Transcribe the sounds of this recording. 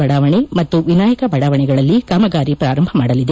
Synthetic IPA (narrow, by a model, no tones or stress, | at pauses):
ɐɽaːʋɐɳemɐt̪ːuʋinaːjɐkɐbɐɽaːʋɐɳɛɡɐɭɐlːikɐmɐɡaːɾipɾaːɾɐmbʱɐmaːɽɐlid̪e